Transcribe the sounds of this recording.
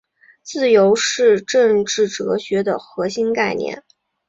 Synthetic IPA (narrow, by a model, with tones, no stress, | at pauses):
t͡sɹ̩˥˩jo˧˥ʊʂɻ̩˥˧ʈ͡ʂɤ˥˧ŋʈ͡ʂɻ̩˥˩ʈ͡ʂɤ˧˥ɕɥɛ˧˥d̪ə˨xɤ˧˥ɕi˥nka˥˧ɪnjɛ̰˥˩n